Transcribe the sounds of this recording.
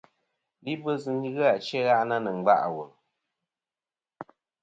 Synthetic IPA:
li˦bə˦zɨ˨n˦ɣɨ˦a˨t͡ʃɛ˦ɣa˦ʔna˦nə˨ŋ͡m̩˨ɡ͡ba̰˦ʔwo˨

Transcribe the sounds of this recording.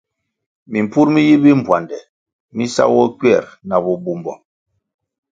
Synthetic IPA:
mi˨m̩˨pu˦ɾmi˦ji˦bi˦m̩˨bwa˨ndɛ˨ | mi˦sa̰˦wɔ˦kɥɛ˦˨ɾna˨bɔ˦bu˦mbɔ̰˨

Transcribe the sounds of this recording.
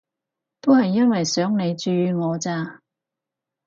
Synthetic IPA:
t̪o˥hɐ˨jːɐ˥nwɐ˨jsœː˨˥ŋne˨˧jt͡ʃyː˧˨˧ŋɔː˨˧t͡saː˧

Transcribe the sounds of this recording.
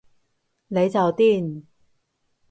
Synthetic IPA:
ne˨˧jt͡sɐ˨wt̪iː˥˩n

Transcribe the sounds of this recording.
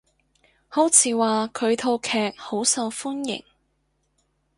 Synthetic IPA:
ho˨˥wt͡sʰiː˨˥waː˨kʰɵ˨˧ɥt̪ʰo˧wkʰɛː˨k̚ho˨˥wsɐ˧wfuː˥njɪ̰˨˩ŋ

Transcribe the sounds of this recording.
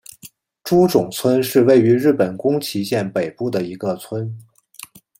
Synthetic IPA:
ʈ͡ʂu˥ʈ͡ʂʊ˨˩ŋt͡sʰwə˥nʂɻ̩˥˧we˥˩ɪy˧˥ɻɻ̩˥˩pə˨˩nkʊ˥ŋt͡ɕʰi˧˥ɕjɛ˥˩npe˨˩ɪpu˥˩d̪ə˩i˧˥ɡə˧t͡sʰwə˥n

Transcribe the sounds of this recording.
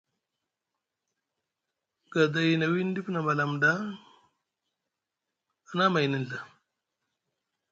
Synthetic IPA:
ɡ̥a˨da˨ji˨na˨wi˦n˦di˦pna˨ma˨la˨mda˦˨ | na˦ma˨jni˨ɮa˨

